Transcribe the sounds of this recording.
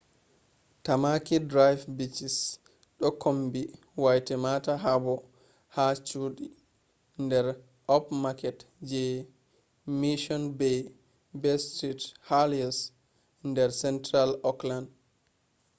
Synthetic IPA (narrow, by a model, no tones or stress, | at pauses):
tamakidɾajfbit͡ʃis | ɗɔkombi | wajtɛmataɦabɔ | hat͡ʃuɗi | ndɛɾ | ɔpmakɛt | d͡ʒɛ | miʃɔnbɛ | bɛstɾithaliɔs | ndɛɾsɛntɾalɔkland